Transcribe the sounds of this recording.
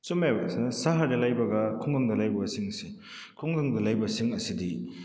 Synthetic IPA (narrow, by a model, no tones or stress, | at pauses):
sumebsnasaɦaɾdelajbɐɡɐkʰuŋɡaŋdɐlajbɐɡɐsiŋsi | kʰuŋɡaŋdɐlajbɐsiŋɐsidi